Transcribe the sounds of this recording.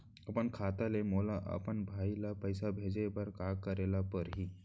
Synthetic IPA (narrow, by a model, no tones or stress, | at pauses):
apəɳkʰat̪alemolaʔə̰pəɳbʱailapəjsabʱed͡zebəɾkakəɾelapəɾɦiː